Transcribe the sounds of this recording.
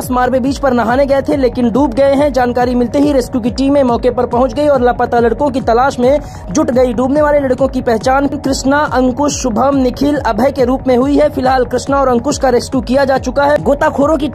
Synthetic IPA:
smaːɾbebiːt͡ʃpɐɾnɐɦaːneɡɐet̪ʰeleːkɪnɖuːb̚ɡɐeɦɛ̃d͡ʒaːnkaːɾimɪlt̪eɦiɾeːskjuk̬iʈiːmẽmɔːkepɐɾpɐɦʊ̃t͡ʃɡɐiɔːɾlapət̪alɐɽkõkit̪ɐlaːʃmẽ | d͡ʒʊʈɡɐiɖuːbneʋaːlelɐɽkõkipɛɦt͡ʃaːnkɾɪʃnaʔɐ̃ŋkʊʃːʊbʱəmnɪkʰɪlɐbʱəjkeɾuːpmẽɦʊiɦɛfɪlɦaːlkɾɪʃnaɔːɾɐ̃ŋkʊʃkaɾeːskjukijad͡ʒaːt͡ʃʊkaɦɛɡoːt̪akʰoːɾõki

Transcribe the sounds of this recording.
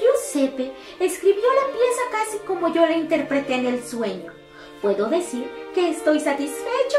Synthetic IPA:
usepeː | skɾiβjo̞lapje̞sakasiko̞mo̞ʝo̞laint̪e̞ɾpɾe̞t̪e̞nelswe̞ɲo | pwe̞ðo̞ðe̞siɾke̞ːst̪o̞jsat̪isfe̞t͡ʃo

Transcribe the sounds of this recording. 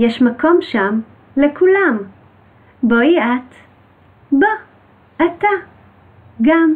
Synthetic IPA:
jɛʃmako̞mʃam | lekulam | bojiat̪ | bo | ʔata | ɡam

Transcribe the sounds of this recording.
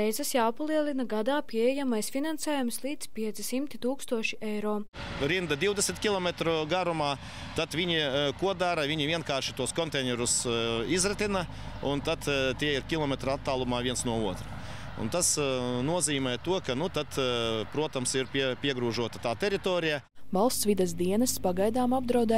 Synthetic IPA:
ɛjzɛsjawpalˠiɛlˠinɐɡad̪aːpʲiɛjɛjamajsfʲinansɛːjumslˠiːd̪spʲiɛt̪sisimt̪it̪uːkst̪uɔʃiʔɛjɾoː | ɾind̪ɐd̪iwd̪esʲmʲt̪kʲilˠɔmʲɛt̪ɾuɡaɾumaː | t̪at̪ʋʲiɲikuɔd̪aɾɐʋʲiɲivʲiɛnkaːɾʃɪ̥t̪uɔskɔnt̪ɛnʲɛɾusizɾɛt̪ʲinɐ | unt̪at̪t̪ʲiɛiɾkʲilˠɔmʲɛt̪ɾat̪ːaːlˠumaːʋiɛnsnuɔuɔt̪ɾɐ | ṵnt̪asnuɔziːmʲɛːt̪uɔkanut̪at̪pɾuɔt̪amsiɾpʲipʲiɛɡɾuːʒuɔt̪ɐt̪aːt̪ʲɛɾit̪ɔːɾija | vɑlˠst̪sʋid̪ɛsd̪iɛnɐspaɡajd̪aːmab̚d̪ɾawd̪ɛ

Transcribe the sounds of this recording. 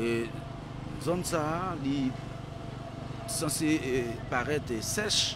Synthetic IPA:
e | zɔ̃nsali | sɑ̃seepaʁɛt̪esɛʃ

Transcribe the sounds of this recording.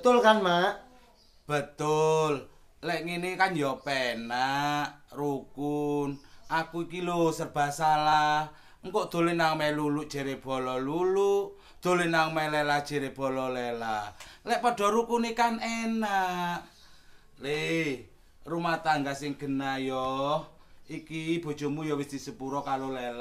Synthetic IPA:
bət̪ʊlkanmaʔ | b̥ət̪ʊl | lɛʔŋinikanjɔpɛnaʔrukunʔakuikilosərb̥a̤salah | ŋkoʔd̪̥o̤lenaŋmɛluluʔd̥ʒ̥e̤ɾeb̥ɔ̤lɔluluʔ | d̪̥o̤lenaŋmɛlelad̥ʒ̥e̤ɾeb̥ɔ̤lɔlɛlalɛʔpɔɖ̥ɔ̤ɾukunikanenaʔ | le | rumaht̪aŋɡasɪŋɡ̥ə̤najɔhikib̥ɔ̤̥ʒ̥ɔ̤mujɔwist̪isəpuɾɔkalolɛl

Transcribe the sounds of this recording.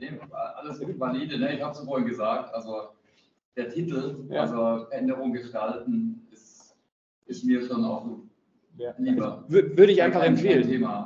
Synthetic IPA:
neːvaʔaləsvaliːdənəɪçhaːbəsfoɐɪnɡəzaːk̚tʔalzo | d̥eːɐtʰiːtl̩ʔalzofɛɐʔɛndəʁʊŋɡəʃtaltn̩ɪs | ʔɪstmiːɐʃoːna̰ʊxo | liːbɐvvʏɐɾəɪçaɪnfaχɛmfeːlntʰeːma

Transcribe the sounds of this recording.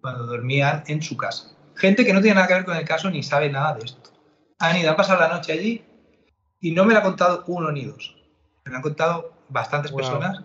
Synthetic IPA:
kwand̪oðo̞ɾmianẽ̞nsukasḁ | xe̞nt̪e̞ke̞not̪̬jenenaðakeeɾko̞ne̞lkaso̞nisaβ̞e̞naðaðee̞st̪o̥ | aniðoampasaðlano̞t͡ʃeaʎi | ino̞me̞lako̞nt̪að̞ouno̞niðo̞s | me̞laŋko̞nt̪aðo̞ | βast̪ant̪e̞spe̞ɾso̞nas

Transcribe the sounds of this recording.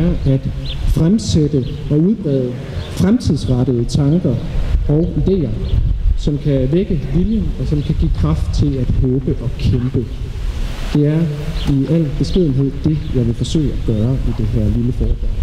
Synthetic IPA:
ɐʔæd̥fʁamsed̥ə | ɒ̽uð̞ˠb̥ʁɛːð̞ˠə | fʁamt͡sʰiðˠsʁɑɾ̥əð̩ˠət͡sʰɑ̈ŋɡ̥ɐɒ̽ʊid̥e̝̰ːɐsɒ̽mkʰæʋeɡ̥əʋiljənɒ̽sɒ̽mkʰæɡ̥ḭːkʰʁɑ̈fd̥̚t͡sʰe̝læd̥hɔːb̥əʔɒ̽kʰemb̥ə | d̥e̝æɐiæl̰b̥e̝sɡ̥ʁið̰ˠn̩ɦe̝ð̞̰ˠd̥e̝jɑ̈ɪʋe̝fɒ̽sø̰ːɪæɡ̥ɶːɐʔid̥e̝ɦæɐ̰liləfɒːd̥ɒ

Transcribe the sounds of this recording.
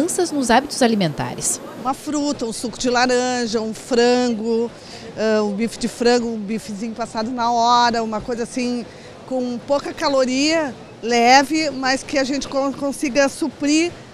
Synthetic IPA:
sɐznʊzabit̪ʊzalimẽnt̪a̰ɾɪs | ũmɐfɾut̪ɐũsukʊd͡ʒɪlaɾɐ̃ʒɐũfɾɐ̃ɡʊ | ɛũbifɪd͡ʒɪfɾɐ̃ɡʊũbifɪzĩɲʊpasad̪ʊnɐɔɾɐũmɐkojzɐasĩ | kõpowkɐkaloɾiɐ | lɛvɪmɐskɪaʒẽnt͡ʃɪ̥kõkõsiɡɐsupɾi

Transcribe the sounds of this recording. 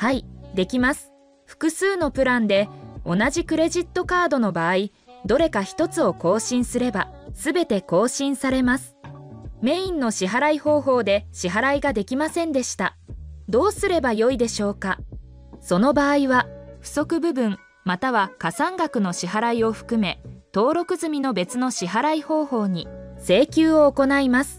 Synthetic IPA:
haid̪e̞kʲimasɨ̥ | ɸɯ̟̥kɯ̟sɨːno̞pɯ̟ɾãnd̪e̞o̞naʑikɯ̟ɾe̞ʑit̪ːo̞kaːd̪o̞no̞baːi | d̪o̞ɾe̞kaçi̥t̪o̞t͡sɨo̞ko̞ːɕĩɰ̃sɨɾe̞basɨbe̞t̪e̞ko̞ːɕĩɰ̃saɾe̞masɨ̥me̞ĩnːo̞ɕiɦaɾaiho̞ːɦo̞ːd̪e̞ɕiɦaɾaiɡad̪e̞kʲimasẽ̞nd̪e̞ɕi̥t̪a | d̪o̞ːsɨɾe̞bajo̞id̪e̞ɕo̞ːka | so̞no̞baːiβaɸɯ̟̥so̞kɯ̟bɯ̟bɯ̟̃ŋ | mat̪aβ̞akasãŋɡakɯ̟no̞ɕiɦaɾaio̞ɸɯ̟̥kɯ̟me̞t̪o̞ːɾo̞kɯ̟zɨmʲino̞be̞t͡sɨno̞ɕiɦaɾaiho̞ːho̞ːɲ̟ise̞ːkʲɨːo̞ːko̞naimasɨ̥

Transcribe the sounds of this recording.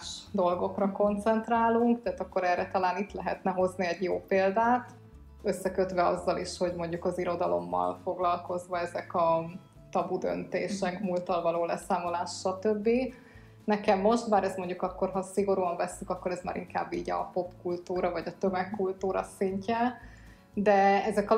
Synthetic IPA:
ʃd̪o̞lɡo̞krɒko̞nt̪sɛnt̪raːluŋkt̪ɛaːt̪ɒkːo̞ɾɛrːɛt̪ɒlaːnit̪lɛɦɛt̪nɛɦo̞zniɛɟjoːpeːld̪aːt̪ | øsːɛkøt̪ʋɛɒzːɒliʃho̞ɟmo̞ɲɟukɒziɾo̞d̪ɒlo̞̰mːɒ̰lfo̞ɡlɒlko̞zʋɒɛzɛkɒ | t̪ɒbud̪ø̰nt̪ḛːʃɛkmult̪ɒlvɒloːlɛsaːmo̞laːʃʃɒt̪øbːi | nɛkɛmːo̞ʃt̪baːɾɛsmo̞ɲɟukɒkːo̞rɦɒsiɡo̞ɾuɒɱvɛsːykɒkːo̞ɾɛzma̰ːɾʔiŋka̰ːbːḭːɟɒ̰po̞pkult̪uːɾɒvɒɟɒt̪ømɛkːult̪uːɾɒ̰siɲcɛ | d̪ɛɛzɛkɒ

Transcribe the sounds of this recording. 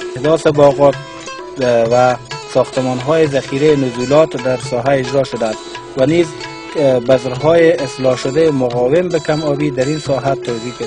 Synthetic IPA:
hd̪ɔsɪbɒɣɔt̪ | wasɒxt̪əmɔnɦɔjɪzaxiɾejːnʊzulɔt̪d̪aɾsɔɦaɪd͡ʒɾɔʃʊd̪and̪ | waniz | bazɾɦɔjeɪslɔʃʊd̪ajemʊɣɔwɪmbɪkamɔbid̪aɾinsɔɦat̪awzik

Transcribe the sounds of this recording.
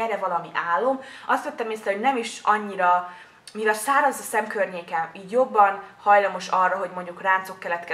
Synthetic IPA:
ɛɾɛvɒlɒmiʔaːlːo̞mɒst̪jot̪ːɛmeːsɛhoɟnɛmiʃɒɲːiɾɒ | mivɛlsaːɾɒzːɒsɛmkørɲeːkɛmiːɟjo̞bːɒnhɒjlɒmo̞ʃɒrːɒɦo̞ɟmo̞ɲɟukraːnt̪so̞kːɛlɛt̪kɛ

